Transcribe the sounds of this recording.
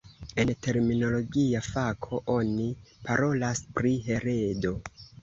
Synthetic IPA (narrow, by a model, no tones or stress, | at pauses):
e̞nte̞ɾmino̞lo̞ɡiafakʰo̞ʔo̞nipaɾo̞laspɾiɦe̞ɾe̞do̞